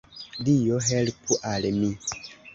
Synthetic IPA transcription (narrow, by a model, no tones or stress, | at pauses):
dijoɦelpuʔalemi